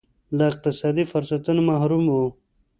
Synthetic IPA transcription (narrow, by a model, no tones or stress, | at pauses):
laɪq̚t̪ɪsɑːd̪ifʊɾsat̪unmaɦɾumo